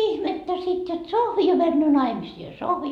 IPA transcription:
ihmetːæ sit jot sohʋi jo mænːøː nɑimisiː jɑ sohʋi

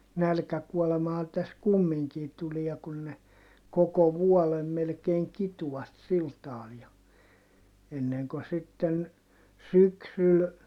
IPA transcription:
nælkækuɔlemɑhɑ tæs kumːiŋkiː tuliɑ kun ne koko ʋuolem melkeːŋ kituw̆ɑt sil tɑːl jɑ enːeŋko sitːen syksyl

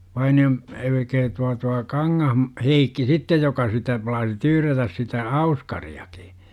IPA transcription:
ʋɑinio m elkæː tuɑ tuɑ kɑŋːɑhm heikːi sitːej jokɑ sitæ plɑːsi tyːrætæs sitæ ɑuskɑriɑki̥

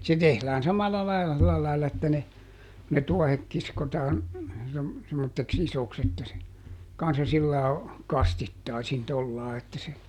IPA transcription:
se tehlæːn sɑmɑlːɑ lɑilɑ silæ lɑilɑ etːæ ne ne tuɔhek kiskotɑːn sem semːotːeks isoks etːæ se kɑnsːɑ silːɑː kɑstitːɑisin tolːɑː etːæ se

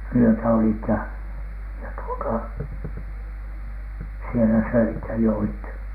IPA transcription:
wyøtæ olit jɑ jɑ tuotɑ sielæ søit jɑ joit

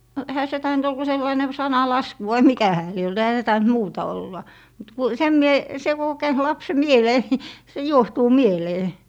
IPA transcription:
no ehæ se tɑint ol ku selːɑine sɑnɑlɑsku ʋɑi mikæ hæː lie olt ehæ se tɑint muːtɑ olːɑ mut ku sem mie se ku o kæynt lɑpse mieleː ni se juohtuː mieleː

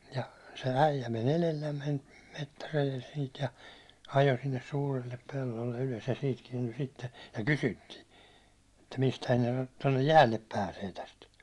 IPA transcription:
jɑ se æijæ men elelːæmːen metːærejel siːt jɑ ɑjo sinːes suːrilːe pelːolːe yløs jɑ siːt kiɛnty sitːe jɑ kysytːiː etːæ mistæhæn tonːe jæːlːep pæːseː tæst

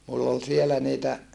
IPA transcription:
mulː ol sielæ niːtæ

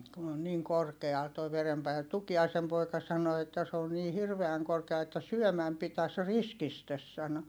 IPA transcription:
kun on niːŋ korkeɑl toi ʋerempɑinet tukiɑisem poikɑ sɑno etːæ s oːn niː hirʋeæŋ korkeɑl etːæ syœˑmæm pitæs riskistes sɑno

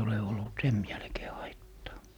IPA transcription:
ole olːut sem jælkeː hɑitːɑː

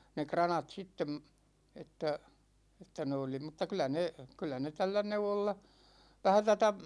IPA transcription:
ne krɑnɑt sitːem etːæ etːæ ne oli m̩tːɑ kylæ ne kylːæ ne tælːæ neuwolːɑ ʋæhæ tætæ

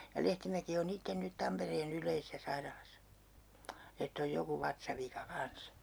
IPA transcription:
jɑ lehtimæki on itːen nyt tɑmpereːn ylˑeisesæ sɑirɑlɑsɑ etː oj joku ʋɑtsɑʋikɑ kɑns

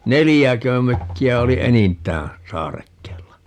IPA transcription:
nelijækø møkːiæ oli enintˑæː sɑːrekːeːlːɑ

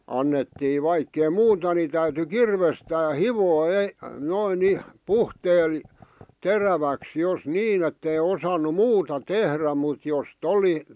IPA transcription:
ɑnːetːiː ʋɑikːei muːtɑ ni tæyty kirʋestæː hiʋoː ei noin nih̆ puhteːl teræʋæks jos niːn etːei osɑnu muːtɑ tehræ mut jost oli

